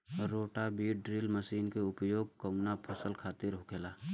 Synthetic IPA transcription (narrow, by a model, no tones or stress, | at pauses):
ɾːoːʈabiːʈɖɾiːlməʃiːnkeʊpjoːɡ̚kəmnapʰəsəlkʰaːt̪ɪɾɦʊkʰelaː